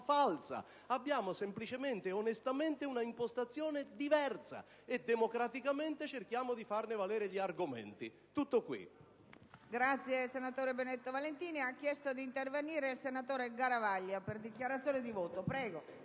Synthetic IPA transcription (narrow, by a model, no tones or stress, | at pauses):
falsa̰ | abːjaːmosemplit͡ʃement̪eonest̪ament̪ɪunaimpost̪at̪sːjɔːned̪ivɛrsa̰ | ed̪emokɾat̪ikament̪ɪt͡ʃerkjaːmod̪ifarnɪvalɛːɾeʎiarɡomḛnt̪ḭ | t̪ut̪ːokwḭ | ɡɾat̪sːjesenat̪oːɾebenet̪ːovalent̪iːniakːjɛst̪od̪iːnt̪erveniːɾeilsenat̪oːɾeɡaɾavaʎːaperd̪ikjaɾat̪sjoːnid̪ivoːt̪opɾɛːɡo